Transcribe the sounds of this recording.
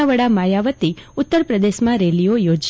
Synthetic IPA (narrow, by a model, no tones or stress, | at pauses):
aʋəɽamajaʋət̪iʊt̪ːəɾpɾəd̪eʃmãɾelijojod͡ʒ